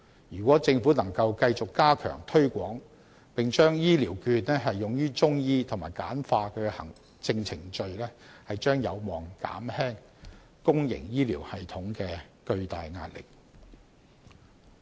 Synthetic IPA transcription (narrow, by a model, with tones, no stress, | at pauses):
jyː˨˩kʷwɔː˨˥t͡sɪ˧ŋfu˨˥nɐ˨˩ŋkɐ˧wkɐ˧jt͡sʊ˨kːaː˥kʰœ̰ː˨˩ŋt̪ʰɵ˥ɥkʷɔː˨˥ŋ | pɪ˨ŋt͡ʃœː˥ŋjiː˥liː˨˩wkyː˧t̚nɛː˥ɦɐ˨jːʊ˨ŋjyː˥t͡ʃʊ˥ŋjiː˧t̪ʰʊ˨˩maː˨˩jka̰ː˨˥nfaː˧kʰɵ˨˧ɛ˧hɐ̰˨˩ŋ | t͡sɪ˧ŋt͡sʰɪ˨˩ŋt͡ʃɵ˧ɥlɛː˥hɐ˨jt͡ʃœː˥ŋjɐ˨˧wmɔː˨˩ŋka̰ː˨˥mhɛː˥ŋ | kʊ˥ŋjɪ̰˨˩ŋjiː˥liː˨˩whɐ˨jt̪ʰʊ˨˥ŋkɛː˧kɵ˧ɥt̪aː˨jŋa̰ː˧t̚lɪ̰˨k̚